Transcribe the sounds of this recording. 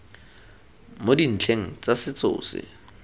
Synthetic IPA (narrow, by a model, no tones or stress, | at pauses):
modin̩t͡ɬʰeŋ̩t͡sasɪt͡sʊ̰ːsɪ̰